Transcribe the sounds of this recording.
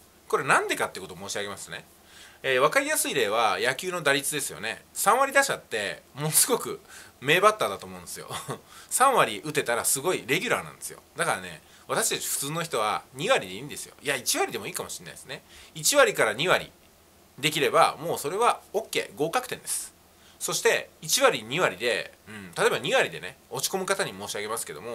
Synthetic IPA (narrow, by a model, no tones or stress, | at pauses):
ko̞ɾe̞nãnd̪e̞kat̪ːeiɯko̞t̪omo̞ːɕiaɡe̞masɨ̥ne̞̰ | eːβakaɾʲijasɨiɾe̞βajakʲɨːno̞d̪aɾʲit͡sɨd̪e̞sɨjo̞̰ne̞̰sãɰ̃βaɾʲid̪aɕat̪ːe̞mo̞sɨɡo̞kɯ̟̰me̞ːbat̪ːaːd̪at̪o̞ːmo̞ɯ̟̃nd̪esɨjo̰sãɰ̃βaɾʲiʔɯ̟t̪e̞t̪aɾasɨɡo̞iɾe̞ɡʲɨɾa̰ːnã̰nd̪e̞sɨjo̞̰d̪akaɾane̞̰ | βat̪aɕi̥t̪at͡ɕi̥ɸɯ̥t͡sɨːno̞çi̥t̪o̞βa̰ɲ̟iβaɾʲid̪e̞ĩːnd̪e̞sɨjo̞̰iait͡ɕiβaɾʲid̪e̞mo̞iːkamo̞ɕinːa̰iesɨne̞it͡ɕiβaɾʲikaɾaɲ̟iβaɾʲḭ | d̪e̞kʲiɾe̞ba̰mo̞ːso̞ɾe̞βao̞kːe̞̰ːɡo̞ːkakɯ̟̥t̪ẽ̞nd̪̥e̞sɨ̥ | so̞ɕi̥t̪e̞it͡ɕiβaɾʲiɲ̟iβaɾʲid̪e̞̰ɯ̟̃ɴt̪at̪oebaɲ̟iβaɾʲid̪e̞̰neo̞t͡ɕi̥ko̞mɯ̟kat̪aɲ̟imo̞ːɕiaɡe̞masɨ̥ke̞d̪o̞̰mo̞